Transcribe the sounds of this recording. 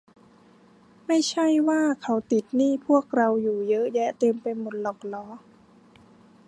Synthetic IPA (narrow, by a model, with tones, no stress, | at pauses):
ma˥˩jt͡ɕʰa˥˩jwaː˥˩kʰa˦˥wt̪i˨˩t̪̚niː˥˩pʰu˥˩ək̚ɾa˧wjuː˨˩jɤ˦˥ʔjɛ˦˥t̪e˧mpe˧nmo˨˩t̪̚lɔː˨˩k̚lɔː˩˦